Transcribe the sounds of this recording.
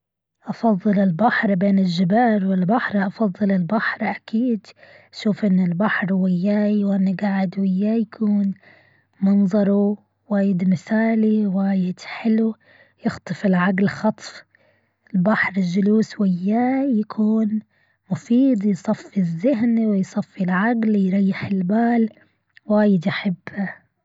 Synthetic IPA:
ʔɑfɑðˤːɨlɪlbaħɾˤbeːnɪlʒɪbaːlwɪlbaħɾʔɑfɑðˤːɨlɪlbaħɾˤʔakʰiːd̪ | ʃuːfʔɪnːɪlbaħɾˤwɪjːaːjwʔɪnːiɡaʕɪd̪wɪjːaːjakʰuːn | mɑnzˤɑɾˤu | waːjɪd̪mɪθaːliwaːjɪd̪̥ħɪlu | jɪxt̪ˤɨfɪlʕaɡlxɑt̪ˤf | ɪlbaħɾˤɪd͡ʒʊluːswɪjːaːjakʰuːn | mʊfiːd̪ˤjsˤɑfːizːɪɦnwɪjsˤɑfːilʕaɡljɾˤɑjːɪħɪlbaːl | waːjɪd̪jaħabːa

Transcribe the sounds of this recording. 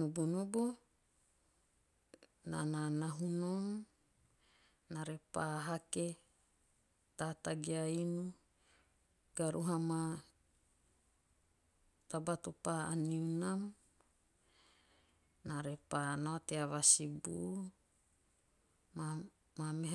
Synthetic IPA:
nubunubu | na̰nanaɦunom | naɾepaːɦake | tataɡiainu | ɡ̥aɾuɦama | t̪abat̪upaaniunam | naɾepanoateaβasibṵʔ | ma | mameɦ

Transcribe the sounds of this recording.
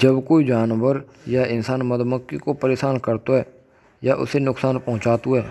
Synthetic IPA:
d͡ʒəbkoːid͡ʒaːnʋəɾ | jaɪnsaːnməd̪məkːikopəɾeːsaːnkəɾt̪oɦɛː | jaʔʊ̰senʊksaːnpɔɦʊ̃t͡ʃaːt̪uɛː

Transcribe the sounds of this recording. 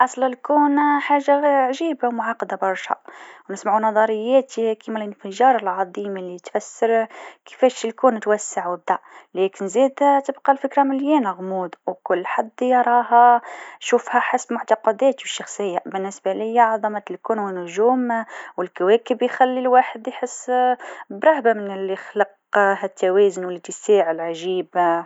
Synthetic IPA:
ʔɑsˤləlkuːnħaːʒːaʕʒiːbawmʊʕɑqːɑd̪abɑɾˤʃhɑ̰wnɪsmaʕunɑðˤɑɾˤəjːɛt̪ikimælənfəʒɑːɾˤɑlʕɑd̪ˤiːmɪlːit̪fæsːəɾkə̥fɛːʃəlkuːnt̪wæsːaʕd̪ælɛːkɪnziːd̪t̪əbqɑlfɪkɾamɪljɛːnæɣmuːd̪wkʊlːħad̪ːɑɾˤɑːɦɑʃuːfhæħɪsbmʊʕt̪ɑqɑd̪ɛːt̪wəʃːɑxsˤəjːabɪnːɪsbalɪjːaʕɑðˤɑmat̪lkuːnwɪnʊʒuːmwɪlkawæːkəbjxælːilwaːħəd̪jħəsːbɾˤɑhbamɪnɪlːixlɑq | hæt̪ʰːawɛːzʊnwɪlːit̪isiːʕɪlʕaʒiːb

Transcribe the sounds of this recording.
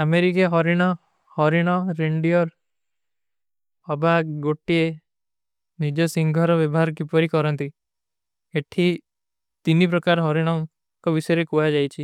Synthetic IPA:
ameɾikeɦɔɾiɽ̃ɔ | hɔɾiɽ̃ɔɾiɳɖiɔɾ | ɔbaɡoʈie | nid͡ʒɔsiŋɡʱɔɾɔbɔbɔɦaɾɔk̬ipɔɾikɔɾɔnt̪i | eʈʰi | t̪inip̬ɾɔkaɾɦɔɾiɽ̃ɔŋ | kɔbisɔjɾekuad͡ʒajt͡ʃʰi

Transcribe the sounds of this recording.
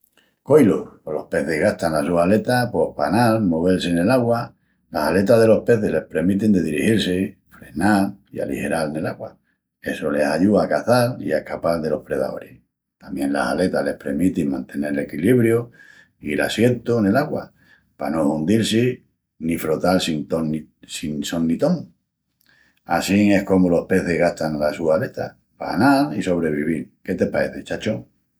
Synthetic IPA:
ko̞jloolo̞hpe̞θeɦɣaht̪anlasuhale̞t̪apo̞hpanalmoβ̞e̞lsene̞laɣwa | lasale̞t̪aðe̞lo̞hpe̞θele̞hpɾe̞ɾmit̪̬ind̪e̞ðiɾihiɾse | fɾe̞nalia̰lḭhe̞ɾalne̞laɣwa | e̞sole̞saʎuaːkaθaliaehkapalðe̞lo̞hpɾe̞ða̰o̰ɾe | t̪amjẽ̞nla̰sale̞t̪ale̞hpɾe̞ɾmit̪imãnt̪e̞ne̞ɾele̞kiliβɾjo | ila̰sje̞nt̪one̞laɣwa̰ | pano̞und̪ilsi | nifɾo̞t̪alsint̪onisiŋso̞nːit̪o̞ŋ | asiŋe̞hko̞molo̞hpe̞θe̞ɦɣaht̪aŋlasuale̞t̪a̰ | pa̰analiso̞β̞ɾe̞βiβilke̞t̪e̞pae̞θe̞t͡ʃat͡ʃo

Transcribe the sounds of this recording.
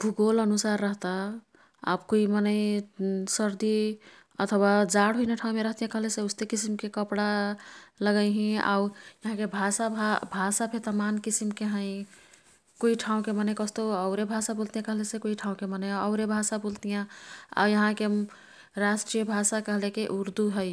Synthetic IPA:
bʱuɡolənusaɾːəɦt̪a | a̰bkoimənəɪsəɾd̪i | ə̰t̪ʰwad͡ʒaɽɦojneʈʰãũmeɾəɦt̪ijãkəɦleseust̪ekisimkekəpɽa | ləɡəɪɦĩa̰wjəɦãkebʱasabʱbʱasapʰet̪əmankisimkeɦə̃ɪ̃ | koiʈʰaũkemənəjkəst̪oəʊɾebʱasabolt̪ijãkəɦlesekoiʈʰãũkemənəjaəʊɾebʱasabolt̪ijãa̰jəɦãke | ɾasʈɾijəbʱasakəɦlekeʔuɾd̪uɦəɪ

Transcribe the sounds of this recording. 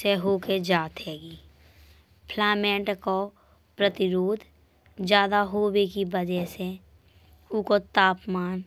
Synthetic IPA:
seɦoːked͡ʒaːt̪ɦɛːɡiː | pʰlɛːmẽːɳʈko | pɾət̪ɪɾoːd̪ʱ | d͡ʒjaːd̪aɦoːwekibəd͡ʒɛɦse | ʊkot̪aːpmaːn

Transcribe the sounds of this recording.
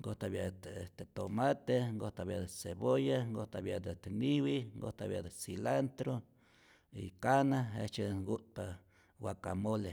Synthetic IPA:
ŋɡot̪aβjaʔ̪et̪et̪omat̪eŋɡot̪aβjad̪eseβojaŋɡoht̪aβjaʔd̪et̪eniwiŋɡo̰ht̪aβjad̪esilant̪ɾo | ḭkanaḛt͡ʃeɡuʔt̪̚pa | wakamole

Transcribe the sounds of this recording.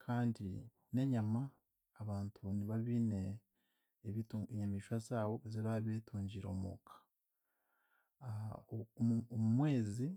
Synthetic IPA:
kʰaːndi | ne̞ɲamaː | βaːntʰuniβaβine̞ː | βitueɲamiʃasaːwoeziβaβeːtuːɲɟiɾo̞̰ːmo̰ːkʰḁ | omumwe̞ːzi

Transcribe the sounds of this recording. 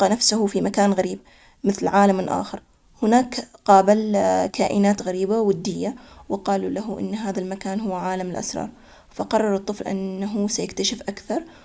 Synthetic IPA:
qːɑnafsʊhʊfimakaːnɣaɾiːb̚ | mɪθlʕaːlamɪlʔa̰ːxɪɾˤ | hɪnaːkqɑːbɪlkʰaːʔɪnaːt̪ɣaɾiːbawɪd̪ːɪjːawɪqɑːlulaɦʊʔɪ̰nːɦaːðalmakaːnɦʊwːʕaːlamɪlʔa̰sɾˤɑ̰ːɾˤ | faqɑrˤːɑɾˤɨt̪ˤːɨflʔa̰nːaɦʊsajakt̪aʃɪfʔakθɑɾˤ

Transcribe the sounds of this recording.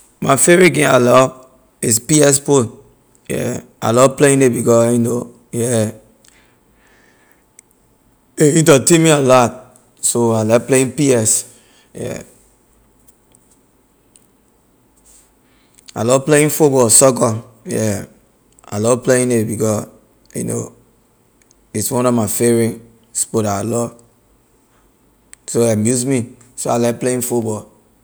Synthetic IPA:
mafeɹiɡẽnalɔ | ispiɛspo | jɛ̰a̰lɔpleĩnebikɔino | jɛ | eĩntɔtĩmialɔt̚ | soalapleĩpiɛs | jɛ̰ | a̰lɔpleĩnfut̚bɔlsɔkɔjɛ | a̰lɔpleĩnebikɔ | jṵno̰ | itswɔ̃nɔvmafeɹĩn | spotaalɔ | soamjuzmi | soalakpleĩnfutbɔl

